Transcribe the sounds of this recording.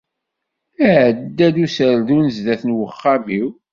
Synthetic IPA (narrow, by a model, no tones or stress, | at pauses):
æʕəd̪ːæðusəɾðunəzd̪æθənwəχːamiw